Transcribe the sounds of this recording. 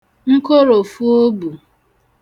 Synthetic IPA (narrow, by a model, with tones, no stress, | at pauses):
ŋ̩˦ko˦ɾo˨fu˦o˦bu˨